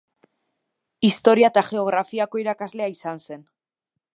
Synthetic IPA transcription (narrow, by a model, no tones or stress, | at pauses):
ist̪o̞ɾiat̪aʝe̞o̞ɣ̞ɾafiako̞iɾakazleaisanse̞n